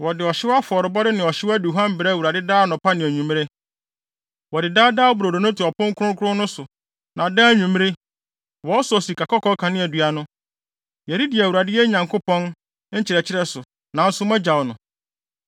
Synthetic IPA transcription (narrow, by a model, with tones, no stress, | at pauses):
wɔ˨dɪ˨ɔ˨ɕɪ˦wa˦fʊ˨ɔ˨ɾɪ˨bɔ˦dɪ˦nɪ̃˨ɔ˨ɕɪ˦wæ˦du˨ɦã˦m˦bɾɛ˦˨wu˨ɾa˨dɪ˦daː˦nʊ̃˨pʰa˦nɪ̃˨æ˨ɲũ˨m˦ɾe˦ | wɔ˨dɪ˨daː˦daː˦bʊ˨ɾo˨do˨nʊ̃˦tʰɪ˨ɔ˨pʰʊ̃˦ŋ˦kʰʊ˦ɾʊ̃˦ŋkʰʊ˦ɾʊ̃˦nʊ̃˦sʊ˨ | nã˨dãː˦ɲũ˨m˦ɾe˦ | wɔ˨˦ɔ˦sɔ˨si˨kʰa˨kʰɔ˦kʰɔ˦kʰã˨nɪ̃˦æ˨dɥa˦nʊ̃˦ | jɛ˨ɾi˦di˨æ˨wu˨ɾa˨dɪ˦jɛ˦ɲã˨ŋkʰo˦pɔ̃˦n | ɲ̩˦t͡ɕʰɪ˨ɾɛ˨t͡ɕʰɪ˦ɾɛ˦sʊ˨ | nã˨n̩˦sʊ˦mɛ̃˦d͡ʑa˨wnʊ̃˨